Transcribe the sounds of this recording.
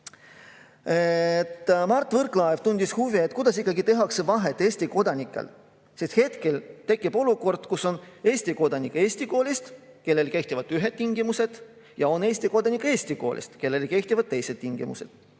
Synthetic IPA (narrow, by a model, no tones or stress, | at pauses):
et̪ːmɑrt̪ˑːvɤrklɑevt̪unʲd̪̥ishuviet̪ːˑkud̪̥ɑsikˑːɑɡit̪e̞ɦɑksevɑɦe̞t̪ːˑe̞ːsʲt̪iko̞d̪̥ɑnʲikːˑḛl | sist̪he̞t̪ke̞lt̪e̞kːˑib̥o̞luko̞rd̪̥kusone̞ːsʲt̪iko̞d̪̥ɑnʲikːˑe̞ːsʲt̪iko̞ːlʲist̪ke̞lːe̞lke̞ht̪ivɑd̪yɦe̞d̪̥̚t̪ːiŋɡimuse̞d̪̥ | jɑo̞ne̞ːsʲt̪iko̞d̪̥ɑnikːe̞ːst̪iko̞̰ːlʲʔḭst̪ke̞lːe̞lke̞ht̪ivɑd̪̚t̪e̞jse̞d̪̥̚t̪iŋɡ̥ḭmṵse̞d̪̥